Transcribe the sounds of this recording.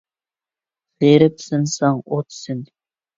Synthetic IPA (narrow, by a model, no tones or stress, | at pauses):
seɾɪpsɨnsɑŋot̪ʰsɪnʲ